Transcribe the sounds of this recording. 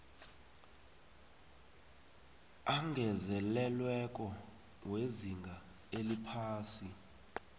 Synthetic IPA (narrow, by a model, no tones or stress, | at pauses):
aŋʱɛzɛlɛlwɛk̬ʼɔ | weziŋɡʱa | elipʰaːsi